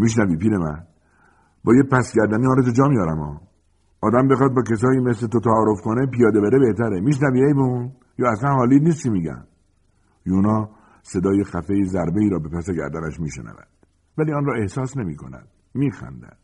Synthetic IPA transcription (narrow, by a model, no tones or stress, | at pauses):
miːʃ̬næviːpiːɾemæn | bɒːjepæsɟæɾd̪æniːhɒːɾet̪ʰed͡ʒɒːmijɒːɾæmɒː | d̪æmbexɒːd̪̚bɒːkʰes̬ɒːiːmeslet̪ot̪ʰæːɾo̞fkonepijɒːd̪ebeɾebe̞ht̪ʰæɾemiːʃ̬næviːejbeun | jɒːæslænhɒːliːniːsk̪imiːɡæ̰n | juːnɒː | se̞d̪ɒːjexæfejizæɾbe̞iːɾɒːbe̞pæseɟæ̰ɾd̪ænæʃmiːʃḛnæ̰væ̰d̪̥ | væliːɒːnɾɒːe̞hsɒːsne̞miːkʰo̞̰næ̰d̪̥̚ | miːxæ̰nd̪æ̰d̪̥